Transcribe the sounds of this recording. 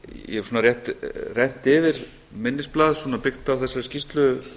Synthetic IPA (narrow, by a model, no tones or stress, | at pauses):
jɛ̰ɛ̥ɾsuːnarjɛht̪rɛn̥t̪ɪvɪɾ | mɪnːɪsplaːðsɔːnapɪxt̪awθɛsːaɾscist̪lʏ